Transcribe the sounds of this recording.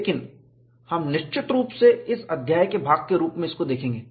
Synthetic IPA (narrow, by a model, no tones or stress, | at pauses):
leːkɪn | hɐmnɪʃt͡ʃɪt̪ɾuːpseɪsɐd̪ʱjaːjkebʱaːɡ̚keɾuːpmẽɪskod̪eːkʰẽːŋɡeː